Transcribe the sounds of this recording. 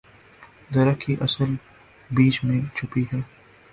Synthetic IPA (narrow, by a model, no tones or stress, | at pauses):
zɐɾəkʰiʔɐsəl | biːt͡ʃmẽt͡ʃʰʊpiɦɛː